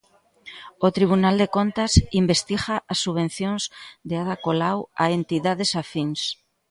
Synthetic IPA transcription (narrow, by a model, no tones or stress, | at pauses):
ot̪ɾiβunald̪ekont̪ɐsimbest̪iɣaʔasːuβ̞ẽn̟θjõŋzd̪eaðakolawa̰ent̪iðaðesafiŋs